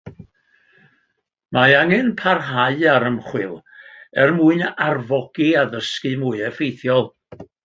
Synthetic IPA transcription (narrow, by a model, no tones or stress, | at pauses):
maaŋɨnpʰarɦaɨaɾəmχwɪlˠ | ɛrmuɨnarvɔɡ̥iaðəskɨmuɨɛfejθjɔlˠ